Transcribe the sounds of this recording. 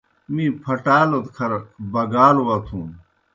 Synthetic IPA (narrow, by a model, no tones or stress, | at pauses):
mĩːpʰɐʈaːlot̪kʰɐɾbɐɡaːlwɐt̪ʰũːn